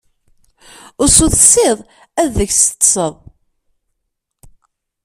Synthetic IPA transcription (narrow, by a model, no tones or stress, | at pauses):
ʊɾsuθsɪðˤ | æððəçsə̥t̪ˤsəðˤ